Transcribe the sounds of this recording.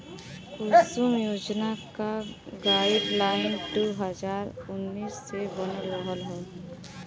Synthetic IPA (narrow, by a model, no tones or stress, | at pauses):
ʊlsumjoːd͡ʒnakaɡaːɪɖlaːɪnʈuɦəd͡ʒaːɾʊnːiːsːebənəɾʋɔɦɔlɦɛ